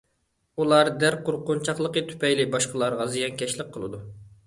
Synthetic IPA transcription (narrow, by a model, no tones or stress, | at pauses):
ulˠɑɾd̪æɾqʊɾqʊnt͡ʃʰɑχlˠəqət̪ʰy̥pɛjlɪbɑʃqəlˠɑɾʁɑzijɑnkʲʰɛʃlɪq̚qʰːəlˠɨ̰d̪u